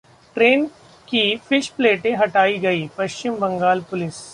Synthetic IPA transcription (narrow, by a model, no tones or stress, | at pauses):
ʈɾeːn | kifɪʃpleːʈẽɦɐʈaːiɡɐiːpɐʃt͡ʃɪmbɐ̃ŋɡaːlpʊlɪs